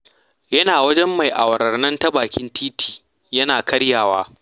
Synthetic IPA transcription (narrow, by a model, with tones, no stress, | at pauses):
jɐ˦naː˨wɐ˦d͡ʒɛ˦mːa˨jʔa˨wɐ˨ɾɐ˨rnɐ˦ntɐ˦baː˨kʲɪ˦ntʰiː˦tʰi̥ː˨ | jɐ˦naː˨kɐ˦ɽjaː˨waː˦